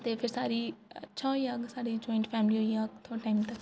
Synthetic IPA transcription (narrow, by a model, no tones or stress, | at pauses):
t̪eːpʰɪɾsaːɾiːətːʃʰãːɦoiːaɡsaːɽiːd͡ʒɔːɪɳʈpʰɛːmliːɦoːiːaɡt̪ʰoʈaːimt̪ə